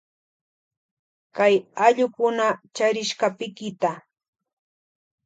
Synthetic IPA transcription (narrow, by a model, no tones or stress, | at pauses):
kajaʎʊkʊnat͡ʃaɾɪʃkapɪkɪt̪a